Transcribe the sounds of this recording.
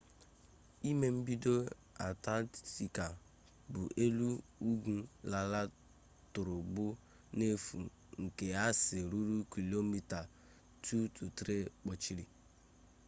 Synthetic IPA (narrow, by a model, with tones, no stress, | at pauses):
i˦me˨m̩˦bi˦do˦ | a˨ta˦ti˨ka˨ | bu˨ʔe˦lu˦u˦ɡu˦la˨la˦ | tʊ˨ɾʊ˨ɡ͡bʊ˦ | ne˦fṵ˨ | ŋ̩˨ke˨a˦sɪ˨ɾu˦ɾu˦ki˨lo˦mi˦ta˨ | tu˦tu˨tɾe˦k͡pɔ˨t͡ʃi˦ɾi˨